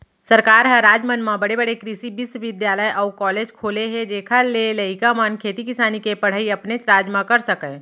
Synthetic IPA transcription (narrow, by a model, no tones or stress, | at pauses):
sɐɾkaːɾɦɛ̃ɾaːd͡ʒmənmãbɐɽebəɽekɾɪʃibɪsʋɪd̪jaːləjʔɔːkɔːleːd͡ʒkʰoːleɦɛd͡ʒeːkʰalelɐikamənkʰeːt̪ikɪsaːnikepɐɽ̤aiɐpnet͡ʃɾaːd͡ʒmãkɐɾsɐkɛ̃